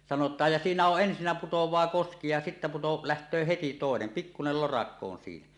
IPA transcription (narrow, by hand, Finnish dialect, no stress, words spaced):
sɑnotˑɑːj jɑ siːnæ oʔ ʔensinːæ putowˑɑː koski jɑ sitːæ puto læhtˑøː heti toˑenen pikːunel lorɑkːo on siːnæ